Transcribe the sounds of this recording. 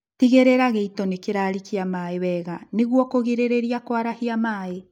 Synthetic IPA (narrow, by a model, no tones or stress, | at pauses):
tiɣeɾeɾaɣeitɔnekeɾaːɾikiamaːeβɛːɣaneɣwɔkoɣeɾeɾeɾiakwaɾahiamaːe